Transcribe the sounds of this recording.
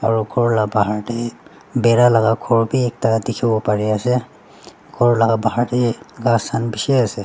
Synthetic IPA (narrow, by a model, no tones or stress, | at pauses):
aɹukʰɔɹlabaɦaɹtɛ | bɛɹalaɡakʰɔɹbiɛk̚tadikʰibɔpaɹiasɛ | kʰɔɹlaɡabaɦaɹtɛɡasʰanbisɛasɛ